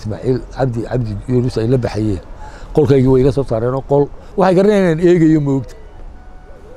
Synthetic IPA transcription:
sma̰ːʕiːlʕɑ̰bd̪ɪʕɑ̰bd̪ɪjʊɾʊsɛjlɐbɐħɛjɛːnqɔlkʰɛːɣiːwɛjkʰɐsɔːsaːɾɛːnɔːqɔl | wɑħɑjɡɐɾɐnɛɪnaːnɛːɣɐjɔmɛɔkt̪ʰɐ̥

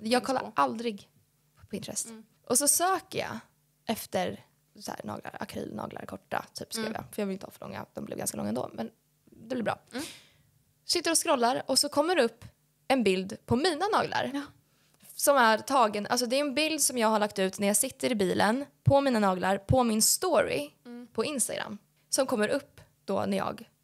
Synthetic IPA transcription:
jɑːɡ̚kʰɔlːa̰ʔald̪ɾɪɡ | pʰɔɪnt̪ɾɛ̰sː | ʔɔsɔsøːkəjɑ̰ | ʔɛft̪əɾ | sɔæːnɑ̰ːɡla̰ɾakʰɾy̰ːlnɑ̰ːɡlʔa̰ɾkʰɔʈːa̰t̪ʰy̰ːpskɾḭːvjɑ̰ːfœɾjɑːvɪlɪnəhɑːfəɭɔ̰ŋːa̰d̪ɔmb̪lɪ̰vɡanskalɔ̰ŋːɛnd̪o̰ːmɛn | d̪ɛblɪɾbɾɑ̰ː | sɪt̪ːəɾɔskɾɔlːaɾɔsɔkʰɔmːəɾɛɵpː | ɛnbɪld̪pʰɔmiːnanɑːɡla̰ɾ | sɔmæɾt̪ʰɑːɡənʔalsɔd̪ɛæɛnbɪld̪sɔmjɑːɡɦhaɭakt̪ʉ̟ːt̪næjɑːsɪt̪ːəɾɪbiːlənpʰɔmiːnanɑːɡlaɾpʰɔmɪnst̪ɔɾɪ̰pʰɔɪnst̪aɡɾa̰mː | sɔmkʰɔmːəɾʔɵpː | d̪̥ɔ̰næjɑ̰ːɡ

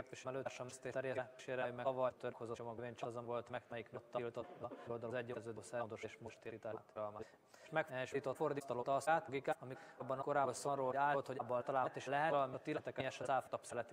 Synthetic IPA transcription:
t̪eʃmɛlørʃɒmst̪eːt̪ɛɾjɛʃeːɾɛjmɛɒvɒjt̪øɾkʰozoomoɡveːɲt͡ʃɒzɛvo̞lt̪mɛkmɛjikmot̪ːɒlt̪ot̪ːɒold̪ɒlzɛɟːerzøːd̪øsɛd̪oʃeʃmoʃt̪eːɾit̪aːt̪ɒlmɒ | ʃmɛkɛʃiːt̪o̞t̪fo̞rd̪ist̪ɒlot̪ɒsaːt̪ɡikaɒmibːɒnkoɾaːlsonroːaːlolt̪hoɟbːɒlt̪ɒlaːt̪eːʃlɛɦɛɾɒlmt̪ːilɛt̪ɛkɛjɛʃɛzaːlft̪ɒpsɛlɛt̪

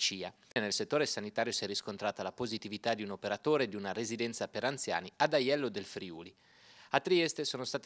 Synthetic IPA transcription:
t͡ʃiːanelset̪ːoːɾesanit̪aːɾjosiɛrːiskont̪ɾaːt̪alapozit̪ivit̪ad̪iunopeɾat̪oːɾed̪iunaɾezid̪ɛnt̪sapeɾant̪sja̰ːniad̪ajɛlːod̪elfɾiṵːli | at̪ːɾiɛst̪esoːnost̪aːt̪

